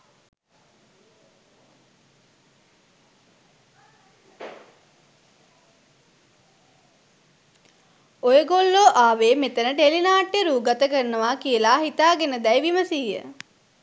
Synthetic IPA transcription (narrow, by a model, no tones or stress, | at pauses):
ojəɡolːoːʔaːʋeːmet̪ənəʈelinaːʈːjeɾuːɡat̪əkəɾnəʋaːkijəlaːɦit̪aːɡenəd̪æjʋiməsiːjə̰